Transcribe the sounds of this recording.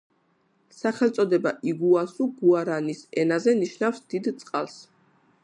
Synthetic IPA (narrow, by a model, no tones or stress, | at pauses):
saχɛlt̪sʼɔd̪ɛbaiɡuasuɡuaɾanisɛnazɛniʃnafsd̪̥id̪t̪sʼqʼalˠs